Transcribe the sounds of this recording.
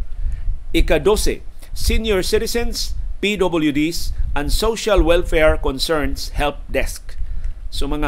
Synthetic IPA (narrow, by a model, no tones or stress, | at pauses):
ikad̪osḛ | sinjɔɹsɪɾɪsɛ̃nspid̪obəljud̪isʔãnsoʃalwɛlfɛɹkɔ̃nsɛɹnshɛlp̚d̪ɛsksʊmɐŋa